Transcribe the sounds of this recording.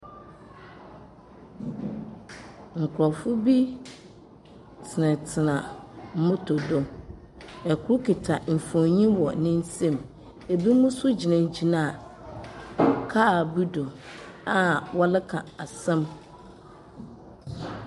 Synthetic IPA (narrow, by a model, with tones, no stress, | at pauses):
ŋ̩˨kʰʊ˨ɾɔ˨fʊ˦bi˦ | tʰɪ˨nɪ̃˨tʰɪ˨nã˨m̩˦mʊ̃˦tʰo˨dɔ˦ | ɛ˨kʰʊ˦ʊ˦kʰɪ˨tʰa˨m̩˨fɔ̃˨ɲĩ˦wɔ˨nɪ̃˦n̩˦sɛ̃˦˨m | e˨bi˦mũ˦sʊ˦d͡ʑi˨nã˨d͡ʑi˨nã˨ | kʰaː˦˨bu˦dɔ˨a˦wɔ˦lɪ˦kʰã˨a˨sɛ̃˦m